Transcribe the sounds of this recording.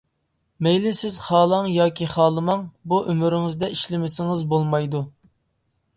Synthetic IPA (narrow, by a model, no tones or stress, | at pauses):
mejlɪsɪz̥χɑːlˠɑŋjɑːkʲiχɑːlˠɨmɑŋbuʔømyɾɪŋɪzd̪ɛʔiʃlɪmɪsɪŋɪzbolˠmɑjd̪u